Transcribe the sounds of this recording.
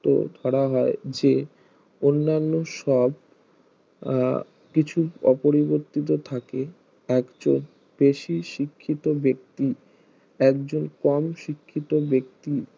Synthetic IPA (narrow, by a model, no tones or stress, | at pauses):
t̪o̰d̪ʱɔɽaɦɔed͡ʑe | onːanːoʃɔb | kit͡ɕʰuɔpoɾiboɾt̪it̪̬ot̪ʰake | ɛkd͡ʑon | b̥eʃiʃikʰːit̪obek̚t̪i | ɛk̚d͡ʑonkɔmʃikʰːit̪obek̚t̪i